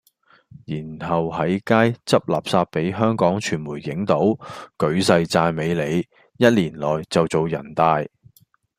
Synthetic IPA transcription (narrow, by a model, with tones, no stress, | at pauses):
jiː˨˩nhɐ˨whɐ˨˥jkaː˥jt͡sɐ˥p̚la̰ː˨p̚saː˧t̚pe˨˥jɦœː˥ŋkɔː˨˥ŋt͡ʃʰyː˨˩nmuː˨˩jːɪ˨˥ŋt̪o˨˥wkɵ˨˧ɥsɐ˧jt͡saː˧jme˨˧jle˨˧j | jɐ˥t̚liː˨˩nlɔː˨˩jt͡sɐ˨wt͡so˨wjɐ̰˨˩nt̪aː˧j